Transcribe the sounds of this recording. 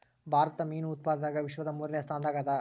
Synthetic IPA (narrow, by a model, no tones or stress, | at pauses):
bʱaːɾɐt̪ɐmiːnuːt̪̚paːd̪ɐd̪aːɡɐʋiʃʋɐd̪ɐmuːɾinejɐst̪ʰaːnd̪aːɡɐd̪ɐ